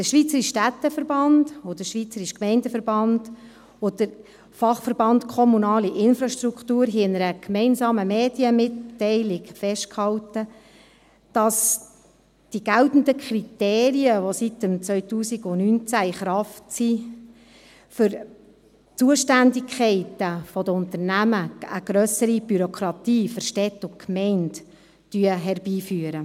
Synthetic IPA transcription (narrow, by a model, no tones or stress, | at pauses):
d̥əʃʋit͡səɾiʃʃtæt̪ːəfəɾbɑnd̥odəʃʋiːt͡səɾiʃkmɛɪndəfəɾbɑnd̥ | odəɾ | fɑχfəɾb̥ɑntkʰɔmunɑːliʔɪnfɾɑʃtɾukχtuːɾɦiɪnəɾəkmɛɪnsɑːməmeːd̥jəmɪtːɛɪlɪkfɛʃtkhɑltə | d̥ɑs | d̥iɡ̥æltn̩dəkʰɾiteːɾiəʋositəmt͡sʋœʏtuːsiɡʊnynt͡sæɪχɾɑftsi | fʏɾ | t͡suəʃtændɪkʰɛɪtəfɔdəʊntəɾnæməəɡ̥ɾœsəɾib̥yɾokʰɾɑtiːfəɾʃtɛtːʊkʰmɛɪnt | d̥yəɦɛrb̥iːfyəɾə